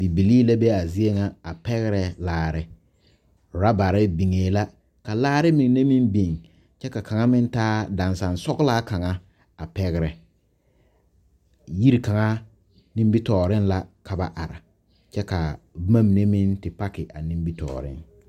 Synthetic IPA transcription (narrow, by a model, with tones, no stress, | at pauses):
bi˨bi˨li˦la˦be˦a˨zɪ˦e˦ŋa˦a˨pɛ˦ɣɪ˦ɾɛ˨laː˦ɾɪ˦ | ɾa˦ba˨ɾɪ˦bi˨ŋeː˨˦la˦ | ka˨laː˦ɾɪ˦mi˨ŋ˨ne˦mi˦nbi˨ŋ | t͡ʃɛ˦ka˨ka˨ŋa˦mɪ˦n˦taː˦da˨nsa˨nsɔ˦ɡla˦ka˨ŋa˦ | a˨pɛ˦ɣɪ˦ɾɛ˨ | ji˦ɾka˨ŋa˦ | ni˦mbi˦tɔː˨ɾɪ˦nla˦ka˨ba˦ʔa˨ɾa̰˨ | t͡ʃɛ˦ka˨ma˦m˨ne˦mɪ˦ntɪ˨pa˦kɪ˨ʔa˨ni˦mbi˦tɔ̰ː˨ɾɪ̰˦ŋ